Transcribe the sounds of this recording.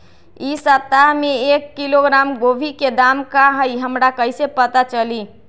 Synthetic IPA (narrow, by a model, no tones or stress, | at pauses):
isət̪ːaɦmeekːiloɡɾamɡobʱiked̪amkaɦəjɦəmɾakəjsepət̪at͡ʃəli